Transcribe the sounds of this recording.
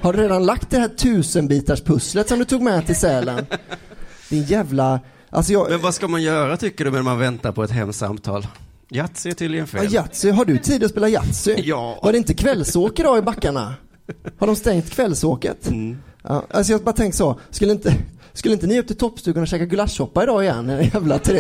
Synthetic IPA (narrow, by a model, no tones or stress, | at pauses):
haɖɵɾeːd̪anlak̚t̪̚d̪ɛɦæːʈʰʉ̟ːsənbiːt̪aʂpʰɵslət̪sɔmd̪ɵt̪ʰuːɡmɛt̪ʰɪlsɛːlən | d̪̥ɪnjæːvla | ʔa̰lsɔjɑmɛnvaskamanjœːɾat̪ʰʏkːəɖɵmɛnmanvɛnt̪aɾpʰɔɛt̪ɦɛmːsa̰mt̪ʰɑ̰ːl | jat̪sɪʈʰɪlɪənfjat̪sʏɦaɖɵt̪ʰiːd̪ɔspeːlajat̪sʏvaɖɛɪnt̪əkʰvɛlːsoːkəd̪ɑːɪbakːaɳa̰ | haɖɔmst̪ɛŋt̪kʰvɛlːsoːkə̰t̪ː | a̰ls̬ɔjɑbɑːt̪ʰɛŋkt̪sɔskɵlːəɪnt̪ə | skɵləɪnt̪ənɪɵp̚t̪ʰɪlt̪ʰɔpːst̪ʉːkɵnːaɕɛːkaɡlasːɔpːaɪd̪ɑːɪjɛ̰nːɪd̪ɛjæːvlat̪ʰɾe